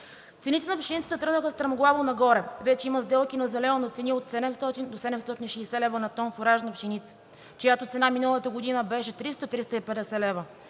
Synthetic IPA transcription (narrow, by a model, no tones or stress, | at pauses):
t̪ɛnit̪ɛnɐpʃinit̪si̥t̪ɛt̪ɾɤɡnəxəst̪ɾɐmoɡlˠavonɐɡɔɾɛvɛt͡ʃɛiməzd̪ɛlˠkinɐzɛlɛlonɐt̪sɛniot̪sɛd̪ɛmst̪ɔt̪ind̪osɛd̪ɛmst̪ɔt̪inʃɛːsɛlɛvənɐt̪ɔnfoɾaʒnəpʃinit̪sə̥ | kojat̪ot̪sɛnaminəlˠət̪əɡod̪inəbɛʃɛt̪ɾist̪ət̪ɾist̪əipɛd̪ɛsɛlɛvə